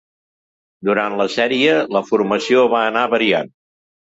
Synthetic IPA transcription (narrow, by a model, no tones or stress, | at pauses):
d̪uɾant̪ləsɛɾiələfuɾməsioβaənaβəɾian